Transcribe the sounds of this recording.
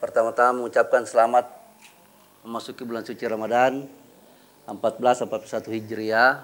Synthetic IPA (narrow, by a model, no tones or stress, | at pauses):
pərt̪amat̪amaməŋut͡ʃap̚kansəlamat̪̚ | məmasukibulansut͡ʃiɾamadan | əmpat̪̚bəlasəmpat̪̚pusat̪uhid͡ʒɾia